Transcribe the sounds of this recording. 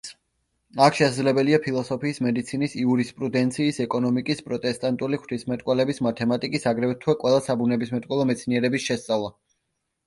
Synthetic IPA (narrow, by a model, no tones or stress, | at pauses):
akʰʃɛsad̪zlɛbɛliapʰilˠɔsɔpʰiːsmɛd̪it̪sʰinisiuɾispʼɾud̪ɛnt̪sʰiːsɛkʼɔnɔmikʼispʼɾɔt̪ʼɛst̪ʼant̪ʼuliχw̥t͡ʃ̪ʰismɛt̪ʼkʼwɛlɛbismat̪ʰɛmat̪ʼikʼisaɡɾɛvt̪ʰwɛkʼwɛlˠasabunɛbismɛt̪ʼkʼwɛlˠɔmɛt̪sʰniɛɾɛbisʃɛst̪sʼavlˠa